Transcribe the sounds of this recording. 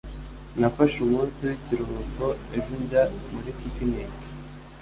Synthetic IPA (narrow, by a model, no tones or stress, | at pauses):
nafaʃumuːnsiwiciɾuɾukoeʒuɲɟamuɾikikineːki̥